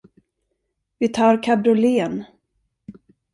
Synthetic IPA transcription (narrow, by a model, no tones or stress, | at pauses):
vɪt̪ʰɑːɾkʰabɾʊleːn